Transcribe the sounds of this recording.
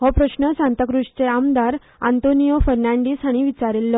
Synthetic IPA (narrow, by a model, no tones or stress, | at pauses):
ɦɔpɾəɕnəsant̪əkɾuʂt͡seamd̪aɾ | a̰nt̪onijofəɾnãɳɖiːsaɽ̃iʋit͡ɕaɾilːɔ